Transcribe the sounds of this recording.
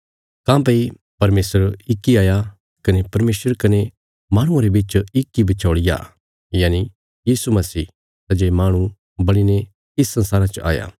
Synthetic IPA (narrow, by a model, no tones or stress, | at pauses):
kãːpɐi | pɐɾmeːsəɾɪkːiaːja | kɐnepɐɾmeːsəɾkɐne | mãːɽ̃ʊ̃ãɾebit͡ʃɪkːibɪt͡ʃʰoːɽɪja̰ | jaːni | jiːsumɐsiː | t̪ɐd͡ʒeːmaːɽ̃u | bɐɽine | ɪsːɐ̃nsaːɾat͡ʃʔa̰ːja̰ː